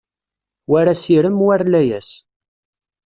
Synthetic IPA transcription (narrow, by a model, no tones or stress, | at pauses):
wæɾæsiɾəmwæɾlæjæs